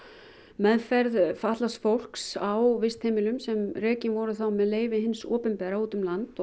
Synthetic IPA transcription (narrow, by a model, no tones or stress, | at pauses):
mɛðfɛɾðfaht̪lasfowl̥ksawvɪst̪heːmɪlʏmsɛmrɛːcɪnvɔɾʏθawmɛðleːjvɪɦɪnsɔːpʏmpɛːɾauːt̪ʏmlant̪